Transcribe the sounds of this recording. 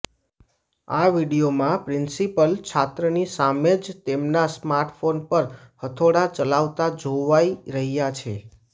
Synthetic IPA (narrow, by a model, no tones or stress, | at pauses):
aʋiɽijomãpɾɪnsipəlt͡ʃʰat̪ɾənisamed͡ʒt̪emnasmaɾʈʰfonpəɾhət̪ʰoɽat͡ʃəlaʋt̪ad͡ʒoʋaiɾəɦijat͡ʃʰḛ